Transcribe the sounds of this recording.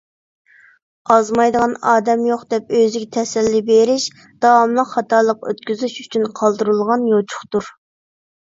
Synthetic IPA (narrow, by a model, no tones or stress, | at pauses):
ɑzmɑjd̪əʁɑnɑːd̪ɛmjoqd̪ɛpøzɪɡʲɛt̪ʰɛsɛlːibeɾɪʃ | d̪̥ɑwɑmlˠəqχɑt̪ʰɑːlˠəqø̰t̪kʲyzyʃy̥t͡ʃʰynqʰɑlˠd̪ɨɾɨlˠʁɑnjot͡ʃʰʊ̥χt̪uɾ